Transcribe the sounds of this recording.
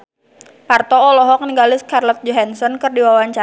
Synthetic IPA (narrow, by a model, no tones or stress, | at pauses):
part̪ɔːlɔɦɔkəniŋɡalɪskarlɔt̪̚d͡ʒɔɦansɔnkɨrdiwawaɲt͡ʃa